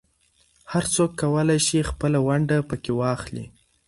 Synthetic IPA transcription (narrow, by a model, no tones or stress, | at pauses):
haɾt͡sokːawəlajʃixpəlawaɳɖapəkewɑxlḭ